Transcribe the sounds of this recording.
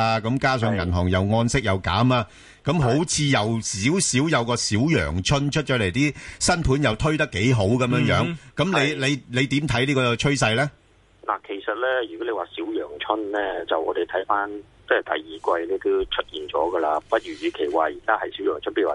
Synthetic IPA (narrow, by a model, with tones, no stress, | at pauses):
aː˧kɐ˨˧˥mkaː˥sœː˨˧ŋɐ˨˩nɦɔː˨˩ŋjɐ˨˧wŋɔː˧nsɪ˥k̚jɐ˨˧wka̰ː˨˥maː˧ | kɐ˨˥mɦo˨˥wt͡sʰiː˨˧jɐ˨wsiː˨˥wsiː˨˥wjɐ˨˧wkɔː˧siː˨˥wjœ̰ː˨˩ŋt͡ʃʰɵ˥nt͡ʃʰɵ˥t̚t͡ʃɔ˨˥le˨˩jt̪iː˥sɐ˥npʰuː˨˥njɐ˨wt̪ʰɵ˥ɥt̪ɐ˥kːe˨˥jɦo˨˥wkɐ˨˧mjœː˧˥ŋjœː˨˥ŋkɐ˨˥mle˨˧jle˨˧jle˨˧jt̪iː˨˥mt̪ʰɐ˨˥jliː˥kɔː˧t͡ʃʰɵ˥ɥsɐ˧jlɛː˥ | la̰ː˨˩kʰe˨˩jsɐ˨t̚lɛː˥jyː˨kɔ˨˥le˧waː˨siː˨˥wjœː˨˩ŋt͡ʃʰɵ˥nlɛː˥t͡sɐ˨wɔː˨˧d̪e˨jt̪ʰɐ˨˥jfaː˥n | t͡sɐ˥ɐ˨˩t̪ɐ̰˨jːiː˨kʷɐ˧jlɛː˥t̪o˥wt͡ʃʰɵ˥t̚jiː˨nt͡sɔ̰ː˨˥ɡə˧laː˧pɐ˥t̚ɥyː˨˩jyː˨˧kʰe˨˩jwaː˨jiː˨˩kaː˥hɐ˨jsi˨˥wjœː˨˩ŋt͡ʃʰɵ˥npjy˨˩˨a˨